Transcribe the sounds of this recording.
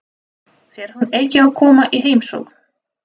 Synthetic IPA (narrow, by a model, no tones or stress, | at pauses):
θɛɾ̥hunejcɪawkʰɔːmaʔiɦeːjmso̰wk